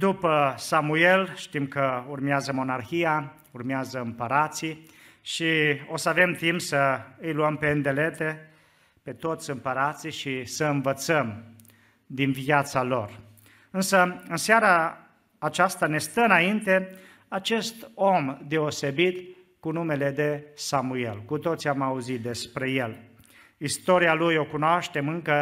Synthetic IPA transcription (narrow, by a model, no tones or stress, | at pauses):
d̪upəsamue̞lʃt̪imkəurmeazəmo̞narxija | urmeazəɨmpəɾat̪si | ʃio̞səave̞mt̪impsəɨjluəmpe̞ɨnd̪e̞le̞t̪e̞ | pe̞t̪o̞t̪sʲɨmpəɾat̪siʃisəɨnvət̪səm | d̪invijat̪salo̞r | ɨnsəɨnseaɾaː | t͡ʃast̪ane̞st̪əɨnaint̪e̞ | at͡ʃe̞st̪o̞md̪e̞ose̞bit̪ | kunume̞le̞d̪e̞samue̞̰lkut̪o̞t̪siamauzit̪̚d̪e̞spɾe̞je̞l | ist̪o̞ɾialujo̞kunoaʃt̪e̞mɨŋkə